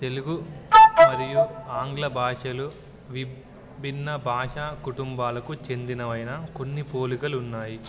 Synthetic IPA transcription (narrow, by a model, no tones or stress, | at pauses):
t̪e̞luɡumɐɾijuaːŋɡlɐbʱaːʂɐlu | ʋi | bʱinːɐbʱaːʂaːkuʈumbaːlɐkut͡ʃe̞nd̪inɐʋɐjnɐko̞nːipo̞ːlikɐlunːaːji